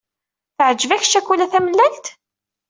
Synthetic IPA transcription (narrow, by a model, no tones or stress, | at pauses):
θəʕd͡ʒəvæç̥ʃækːulæθæməlːænt̪